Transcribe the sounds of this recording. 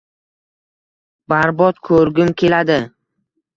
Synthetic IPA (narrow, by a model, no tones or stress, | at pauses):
baɾbɒt̪kʰɵɾɡʲʊmkʲʰe̞lad̪ɪ